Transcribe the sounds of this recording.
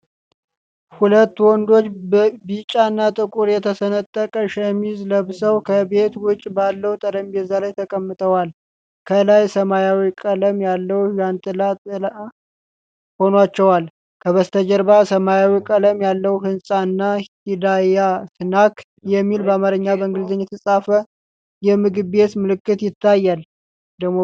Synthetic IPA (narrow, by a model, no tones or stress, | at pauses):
hulət̪ːwɔnd̪o̞t͡ʃːbit͡ʃʼaɨnːat̪ʼɨkʼuɾjɛt̪ʰəsənət̪ʼːəkʼəʃɛmizləβsəwkʰəbe̞t̪wʊt͡ʃʼbalːəwt̪ʼəɾəmbɛzːalajt̪ʰəkʼəmːɨt̪ʰʼəwal | kʰəlajsəmajawikʼələmjalːəwujant̪ʼɨlat̪ʼɨl | ho̞nwat͡ʃːɛwal | kʰəβəst̪ʰəd͡ʒəɾbasəmajawikʼələmjalːəwhɨnsʼaɨnːahid̪ajasɨnak | jɛmːilbəamaɾɨɲːabəɨŋɡɨlzəɲːɛt̪ʰəsʼafə | jɛmɨɡɨe̞t̪mɨlɨkːɨt̪jɪt̪ʰːajːal | d̪əɡmo